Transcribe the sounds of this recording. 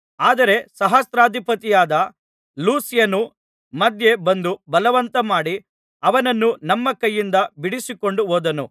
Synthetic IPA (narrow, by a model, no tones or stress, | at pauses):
aːd̪ɐɾe̞sɐɦɐst̪ɾaːd̪ʱipɐt̪ijaːd̪ɐ | luːsjɐnu | mɐd̪je̞bɐnd̪ubɐlɐʋɐnt̪ɐmaːɽi | ɐʋɐnɐnːunɐmːɐkɐjːind̪ɐbiɽisiko̞ɳɖuɦoːd̪ɐnu